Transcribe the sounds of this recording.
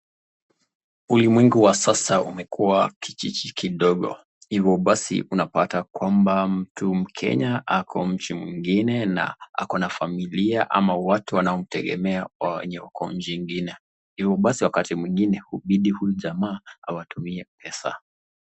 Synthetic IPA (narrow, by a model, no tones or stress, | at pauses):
ulimwɛŋɡuwasasaumɛkʰuwakʰi̥t͡ʃit͡ʃikiɗɔɠɔ̰ | hivjɔɓasḭʔunapatakwambam̩tʰum̩kʰɛ̰ɲaʔakʰɔm̩t͡ʃimwiŋɡinɛna̰a̰kɔnafamiliaʔa̰mawatuwanaɔm̩tɛɠɛ̰mɛawɛ̰ɲɛakʰɔ̰m̩d͡ʒiŋɡinɛ | hivɔɓasiwakatimwiŋɡinɛhuɓiɗihujuʄamaːawatumiɛpɛsa̰